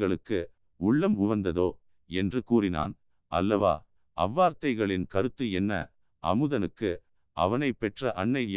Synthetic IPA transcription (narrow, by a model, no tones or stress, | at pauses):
ɣɐɭɯkːɯ | ʊɭːɐmʊʋɐnd̪ɐðoː | ɛndrɯkuːrɪna̰ːn | ʔɐ̰lːɐʋa̰ː | ʔɐ̰ʋːaːɾt̪ɐɪɣɐɭɪnkɐɾɯt̪ːɯɛnːɐ̰ | ʔɐ̰mɯðɐnɯkːɯ | ʔɐ̰ʋɐnɐɪpːɛʈrɐʔɐɳːɐɪj